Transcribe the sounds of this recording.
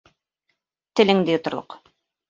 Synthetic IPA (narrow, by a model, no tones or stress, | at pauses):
t̪ɘ̆lɘŋd̪ɘjŏt̪ŏɾlˠo̰q